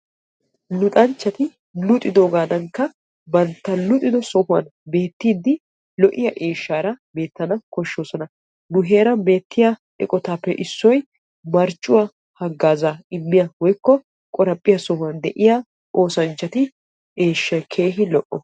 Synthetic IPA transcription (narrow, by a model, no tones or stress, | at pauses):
lʊt̪ʼɐnt͡ʃːɐt̪ɪ | lʊt̪ʼɪd̪oːɡaːd̪ɐŋkːɐ | bɐnt̪ːɐlʊt̪ʼɪd̪ɔsɔhʊwɐ̰nbe̞ːt̪ːiːd̪ɪ | lɔʔɪjɐʔe̞ːʃːaːɾɐbe̞ːt̪ːɐnɐkɔʃːo̞ːsɔnɐ | nʊɦeːɾɐbe̞ːt̪ːɪjaʔɛ̰kʼɔt̪aːpːɛʔɪsːɔj | mɐɾt͡ʃʼːʊwɐ | hɐɡːaːzaɪmːɪjɐwɔjkːɔ | kʼɔɾɐpʼːɪjɐsɔhʊɐnd̪ɛʔɪjaː | ʔo̞ːsɐnt͡ʃːɐt̪ɪ | ʔeːʃːɐkʰe̞ːɦɪlɔʔːɔ